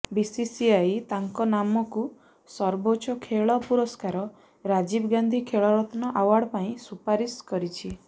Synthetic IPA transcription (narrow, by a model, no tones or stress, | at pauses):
bisisiajt̪aŋkɔnamɔku | sɔɾbot͡ʃɔkʰeɭɔpuɾɔskaɾɔ | ɾad͡ʒibɡand̪ʱikʰeɭɔɾɔt̪ʰɔnɔʔawaɽpaĩsupaɾiskɔɾit͡ʃʰi